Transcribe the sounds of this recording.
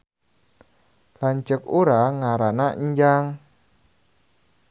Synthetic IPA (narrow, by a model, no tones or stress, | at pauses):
laɲt͡ʃəkuɾaŋaɾanaɲd͡ʒaŋ